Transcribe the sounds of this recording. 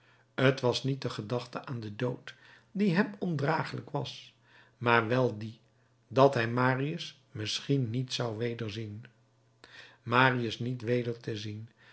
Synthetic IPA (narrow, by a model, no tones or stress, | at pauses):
ətʋɑsnit̚dəχədɑχtəʔaːndədowt | diɦɛmɔndraːχələkʋɑs | maːɹʋɛlˠdi | dɑtɦɛjmaːriəs | mɪsχinːitsɑwʋejdəɹzin | maːriəsnitʋejdəɹtəzin